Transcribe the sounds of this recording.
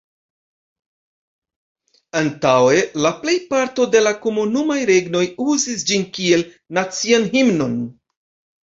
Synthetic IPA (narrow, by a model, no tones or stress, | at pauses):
antawe̞laple̞jpaɾto̞de̞lako̞munumajɾe̞ɡno̞juzisd͡ʒinkie̞l | nat͡sianɦimno̞n